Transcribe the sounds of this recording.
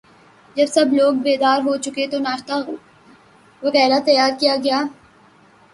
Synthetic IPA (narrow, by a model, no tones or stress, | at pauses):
d͡ʒɐbsɐbloːɡbeːd̪aːɾɦot͡ʃʊket̪onaːʃt̪a | ʋɐɣɛːɾat̪ɐjaːɾkijaɡɐjaː